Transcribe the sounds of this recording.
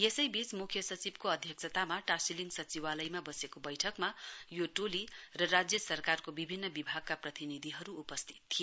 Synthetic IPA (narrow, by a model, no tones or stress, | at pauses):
jesʌjbit͡smukʰjʌsʌt͡sibkoʌd̪ʱjʌksʰʌt̪amaʈasiliŋɡsʌt͡siwalʌjmabʌsekobʌjʈʰʌkmajoʈolirʌrad͡zjʌsʌrkarkobibʱinːʌbibʱaɡ̚kaprʌt̪inid̪ʱiɦʌɾuːpʌst̪ʰi̥t̪ʰːij